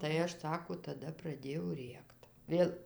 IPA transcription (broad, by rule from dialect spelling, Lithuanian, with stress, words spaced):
tɐɪ ˈɐʃ ˈsɑːkoː tɐˈdɐ prɐˈdʲeːjɛʊ ˈrʲeːkt ˈʋʲeːlˠ